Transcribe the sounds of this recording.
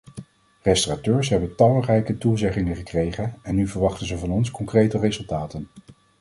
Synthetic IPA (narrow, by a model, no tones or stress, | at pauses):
rɛstəratøːɹsɦɛbətɑlˠrɛjkətuzɛχɪŋəχəkrejχənɛnːyvəɹʋɑχtənzəvɑnɔnskɔŋkrejtərezɵlˠtaːtən